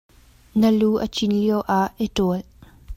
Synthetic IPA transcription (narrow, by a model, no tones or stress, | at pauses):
nəluːʔət͡ʃinliəwʔaʔetɔl